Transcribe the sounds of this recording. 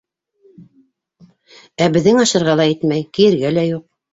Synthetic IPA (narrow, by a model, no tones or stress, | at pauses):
æbɘ̆ðːɘŋɑʃɤ̆ɾʁɑlˠɑit̪mæjkijɘ̆ɾɡælæjuq̚